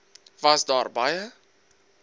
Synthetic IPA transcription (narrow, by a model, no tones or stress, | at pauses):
vɐsdɑːrbɐjə